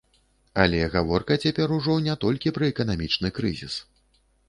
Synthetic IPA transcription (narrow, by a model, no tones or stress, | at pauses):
alʲɛɣavɔrkɐt͡sʲapʲɛɾuʐɔnʲɛt̪ɔlʲkʲipɾɐɛkɐn̪amʲit͡ʂnɨkɾɨ̰zʲḭs